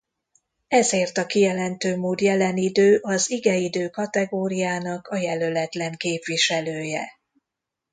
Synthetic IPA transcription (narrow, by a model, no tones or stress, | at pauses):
ɛzeːrt̪ɒkijɛlɛnt̪øːmoːd̪jɛlɛnid̪øːʔɒziɡɛid̪øːkɒt̪ɛɡoːɾijaːnɒkɒjɛlø̞lɛt̪lɛŋkeːpʋiʃɛløːjɛ